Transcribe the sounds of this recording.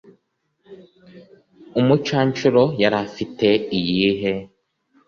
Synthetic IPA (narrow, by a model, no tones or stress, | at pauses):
umut͡ʃaːɲt͡ʃuɾojaɾafiteijiːɦe